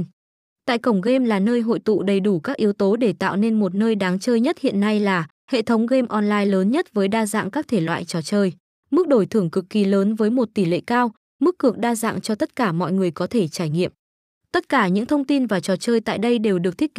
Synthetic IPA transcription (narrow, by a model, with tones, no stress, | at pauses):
t̪a̰ː˧˨jkə˧˩wŋ͡mɣe˧mlaː˨˩nəː˧jɦo̰˧˨jt̪ṵ˧˨ɗə˨˩jɗu˧˩kaː˦˥k̚ʔi˨˦wt̪o˨˦ɗe˧˩t̪a̰ː˧˨wne˧nmo˨˩t̚nəː˧jɗaː˨˦ŋt͡ɕəː˧jɲə˦˥t̚hḭ˧˨ənːa˧jlaː˨˩ | hḛ˧˨t̪ʰə˨˦wŋ͡mɣe˧mʔɔ˧nlaː˧jləː˨˦nɲə˦˥t̚vəː˨˦jɗaː˧za̰ː˧˨ŋkaː˦˥k̚t̪ʰe˧˩lwa̰ː˧˨jt͡ɕɔ˨˩t͡ɕəː˧j | mɨ˦˥k̚ɗo˧˩jt̪ʰɨ˧˩əŋkɨ˨˩kːi˨˩ləː˨˦nvəː˨˦jmo˨˩t̚t̪i˧˩lḛ˧˨kaː˧w | mɨ˦˥kːɨ˨˩ək̚ɗaː˧za̰ː˧˨ŋt͡ɕɔ˧t̪ə˦˥t̚kaː˧˩mɔ̰˧˨jŋɨ˨˩əjkɔ˨˦t̪ʰe˧˩t͡ɕaː˧˩jŋḭ˧˨əm | t̪ə˦˥t̚kaː˧˩ɲɨ̰˧˥ŋt̪ʰə˧wŋ͡mt̪i˧nvaː˨˩t͡ɕɔ˨˩t͡ɕəː˧jt̪a̰ː˧˨jɗə˧jɗe˨˩wɗɨ˨˩k̚t̪ʰi˦˥k